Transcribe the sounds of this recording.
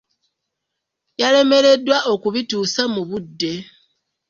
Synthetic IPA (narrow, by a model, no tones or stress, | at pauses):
jale̞me̞ɾe̞dːwaʔo̞kuβituːsamuβudːe̞